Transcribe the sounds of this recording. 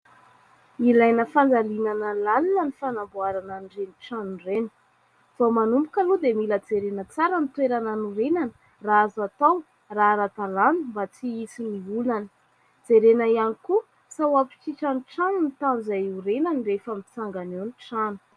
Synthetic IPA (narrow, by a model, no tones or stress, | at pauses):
ilajnəfand͡zalinanalalilənifanambuaɾananreniʈ͡ʂanurenə̥ | v̥omanumbukalud̪emiləd͡zeɾenət͡saɾənit̪weɾananuɾenanə̥ | raazat̪aw | raɾat̪alanumbat͡siisiniulanə̥ | d͡zeɾenaianiku | sawapi̥t͡ʃiʈ͡ʂaniʈ͡ʂanunit̪amizajuɾenanirefamit͡saŋɡanoniʈ͡ʂanu̥